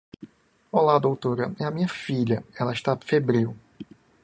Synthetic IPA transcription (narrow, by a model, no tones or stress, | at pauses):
olad̪owt̪oɾɐɛɐmĩɲɐfiʎɐɛlɐiʃt̪afebɾiw